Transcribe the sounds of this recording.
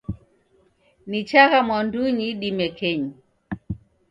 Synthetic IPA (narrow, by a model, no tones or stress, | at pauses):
nit͡ʃaɣamwanduɲiɗimɛkʰɛɲi